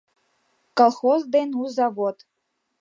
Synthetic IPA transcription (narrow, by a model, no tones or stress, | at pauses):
kolˠxozd̪enuzɑβot̪